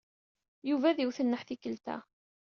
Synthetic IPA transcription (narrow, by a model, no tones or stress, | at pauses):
juvæðiwθənːəħθikəlt̪æ̰